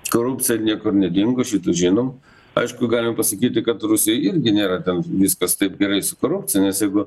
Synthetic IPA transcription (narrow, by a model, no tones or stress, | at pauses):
koːɾupʲt͡s̪ʲɪjɛnʲiɛkʊrnʲɛd̪ʲɪŋɡoʃʲit̪uːʒʲɪnoːm | ɐ̰ɪʃkʊɡɑːlʲɪmɐpɐsɐkʲiːt̪ʲɪkɐt̪rʊsʲɪjɛɪɪɾʲɡʲɪnʲeːɾɐt̪ʲɛnʋʲiskɐst̪ɐɪp̚ɡʲɛɾɐɪsʊkoːɾʊp̚ʲtt͡s̪ʲɪjɛnʲɛsjɛɪɡʊ